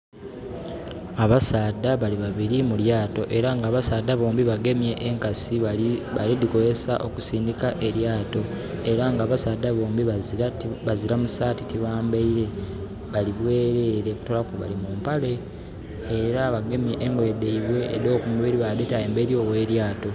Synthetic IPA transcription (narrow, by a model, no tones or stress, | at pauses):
aβasaːdaβaliβaβiɾimuljaːto̞ʔe̞ɾaŋɡaːβasaːdaβoːmbiβaɡe̞mje̞ʔːŋkasialidiko̞zesa̰ʔo̞̰ku̥siːndikaʔe̞ɾjaːto̞ | e̞ɾaŋɡaːβasaːdaβoːmbiβaβaziɾamusaːtitiβaːmbaiɾe̞ | βaliβwe̞ːɾe̞ɾeku̥tolakoβa̰limumpale̞ː | ɾaβaɡe̞mjeʔeŋɡwe̞deiβwe̞̰ːdo̞ːkumuβiɾiβadetaembeɾio̞we̞ːɾjaːto̞